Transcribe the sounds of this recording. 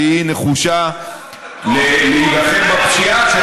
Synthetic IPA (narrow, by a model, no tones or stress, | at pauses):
ineχuʃa | lelilaχemmapʃiaʃ